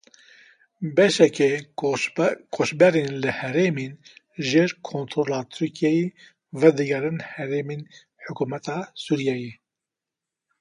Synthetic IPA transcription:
bɛʃɛkɛ | kʰoʃbɛɾeːnlɨhɛɾeːmeːn | ʒeːɾkʰoːnt̪ʰɾolɑːt̪ʰyɾkʰijɛjeː | vɛd̪ɨɡɛɾɨnhɛɾeːmeːn | ħʊkuːmɛt̪ʰɑːsuːɾijɛje

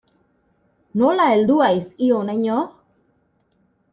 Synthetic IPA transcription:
nolaeld̪uajsionajɲo

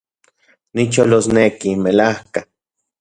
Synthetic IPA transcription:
nit͡ʃolosnekimelahka

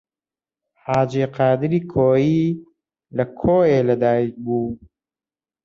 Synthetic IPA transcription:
ħaːd͡ʒiːqaːd̪ɨɾiːkʰoːjiː | lɐkʰoːeːlɐd̪aːjibuː

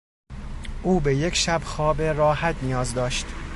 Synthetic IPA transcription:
ʔuːbe̞je̞cʰʃæbxɒːbeɾɒːhæt̪ʰnijɒːzd̪ɒːʃt̪

